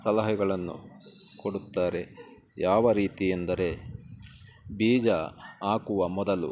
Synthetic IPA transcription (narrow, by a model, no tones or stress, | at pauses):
sɐlɐɦɐɡɐɭɐnːṵ | koɽut̪ːaːɾe̞ | jaːʋɐɾiːt̪ijend̪ɐɾe̞ | biːd͡ʒɐaːkuʋɐmɔd̪ɐlṵ